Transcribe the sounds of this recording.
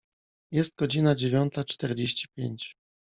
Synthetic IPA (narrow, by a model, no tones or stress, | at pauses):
jɛst̪̚ɡɔd͡ʑinad͡ʑevʲjɔnt̪at͡ʂt̪ɛɾd͡ʑeɕt͡ɕi̥pʲjeɲt͡ɕ